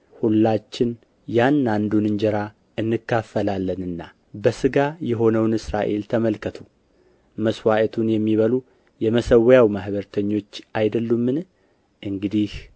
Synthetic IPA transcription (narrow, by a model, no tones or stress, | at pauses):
hulːat͡ʃːɪn | janːand̪unɨnd͡ʒɛɾa | ʔɨnːɨkːafːəlalːənɨnːa | bəsɨɡajɛɦo̞nəwnɨsɾaʔe̞lt̪ʰəməlkʰət̪ʰu | məswaʔət̪ʰunjɛmːiβəlu | jɛməsəwjawmahbəɾt̪ʰəɲːo̞t͡ʃːajd̪əlːumːɨn | ʔɨŋɡɨd̪ih